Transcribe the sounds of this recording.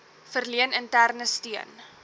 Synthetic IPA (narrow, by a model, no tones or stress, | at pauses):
fərliənəntærnəstiən